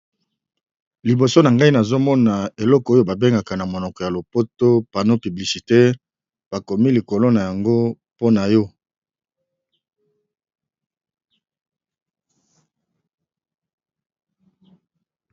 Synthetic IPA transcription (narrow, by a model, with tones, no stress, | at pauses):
li˨bo˨so˦na˨ŋɡa˦i˦na˨zo˦mɔ˦na˨e˨lɔ˦kɔ˨o˦jo˦ba˨be˦ŋɡa˨ka˨na˨mo˨nɔ˨kɔ˨ja˨lo˨po˦to˦pa˨no˦py˨bli˨si˨te˦ | b̥a˨ko˨mi˦li˨ko˨lo˦na˨ja˨ŋɡo˦ | po˦na˨jɔ˦